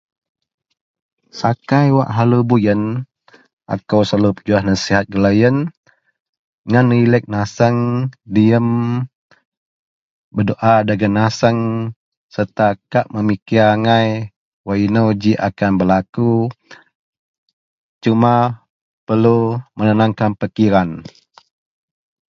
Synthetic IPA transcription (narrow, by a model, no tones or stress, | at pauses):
sakajwa̰ʔɦalubujən | ʔa̰kəwsalupəd͡ʒuahnasiɦat̪̚ɡəlajən | ŋanilək̚nasəŋdiəm | bədoʔadaɡənasəŋ | sərt̪akaʔməmikiaŋaj | wainawd͡ʒiʔa̰kanbəlaku | t͡ʃuma | pəlumənənaŋkanpəkiɾan